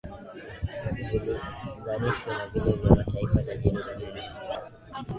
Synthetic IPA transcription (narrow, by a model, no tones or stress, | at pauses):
viliɡaniʃɔnavilɛvjamataifazaʄiniɗuniani